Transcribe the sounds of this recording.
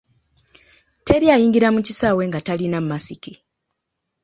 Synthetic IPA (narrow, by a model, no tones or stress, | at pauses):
te̞ɾjajiːŋɡiɾamucisaweŋɡatalinammasiki